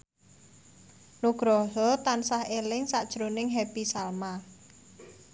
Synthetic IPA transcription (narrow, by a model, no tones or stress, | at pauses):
nuɡ̥ɾɔɦɔt̪ansahelɪŋsaʔd̥ʒ̥ɾonɪŋɦɛpisalma